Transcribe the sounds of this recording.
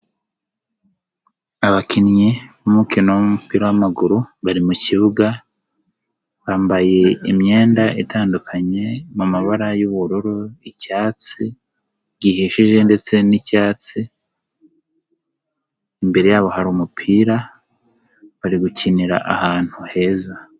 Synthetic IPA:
aβakinjeβumukinomupiːɾojamaɡuɾuβaɾimuciβuɡa | βaːmbaje̞imɲe̞ːndaʔitʰaːndukʰaɲe̞mumaβaɾajuβuɾuɾoicaːt͡si | ɟihiʃiʒe̞nde̞t͡se̞nicaːt͡si | mbe̞ɾe̞jaːβo̞haɾuːmupʰiːɾa | βaɾiɡuciniɾa̰ʔahaːn̥huhe̞ːza

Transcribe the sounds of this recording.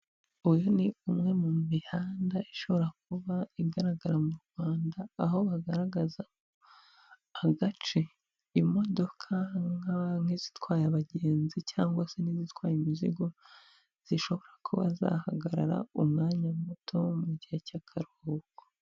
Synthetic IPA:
ujoniumŋe̞mumihaːndaiʃo̞βo̞ɾak̚uβaiɡaɾaɡaɾamuɾɡwaːndaːɦo̞βaɡaɾaɡazako | aɡat͡ʃe | imo̞do̞kʰaŋaŋ̥hizitwaːjaβaɟe̞ːnzicaːŋɡwase̞nizitwaːjimizḭɡo̞ | z̥iʃo̞βo̞ɾakʰuβa̰za̰haɡaɾa̰ɾa̰umŋaːɲamutʰo̞muɟihecakʰaɾoko̥

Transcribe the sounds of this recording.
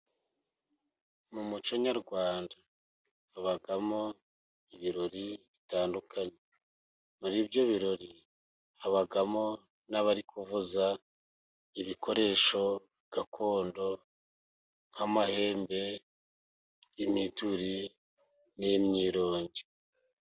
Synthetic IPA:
mumut͡ʃo̞ɲaɾɡwaːndaː | βaɡamo̞ | iβiɾo̞ɾiβitaːndukʰaɲe | muɾibjo̞βiɾo̞ɾi | aβaɡamo̞ | naβaɾikʰuvuza | iβikʰo̞ɾe̞ʃo̞ | ɡ̥akʰo̞ːndo̞ | ŋ̥hamahe̞ːmbe̞ | jimituɾi | nemɲiːɾo̞ːɲɟe

